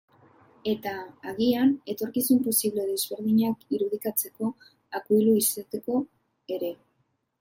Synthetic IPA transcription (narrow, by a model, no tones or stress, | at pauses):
e̞t̪aːɣiane̞t̪o̞ɾkisumpo̞siβle̞ðe̞zβe̞ɾðiɲakiɾuðikat͡se̞ko̞ | akuiluiset̪eko̞ | e̞ɾe̞